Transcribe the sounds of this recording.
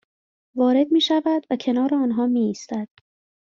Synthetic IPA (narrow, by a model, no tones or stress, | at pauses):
vɒːɾe̞d̪miːʃævæd̪væcʰe̞nɒːɾeɒːnɦɒːmiːst̪æd̪̥